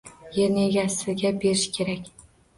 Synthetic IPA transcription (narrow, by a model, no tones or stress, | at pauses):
jeneɡʲasɪɡʲabe̞ɾɪʃkʲʰe̞ɾakʲ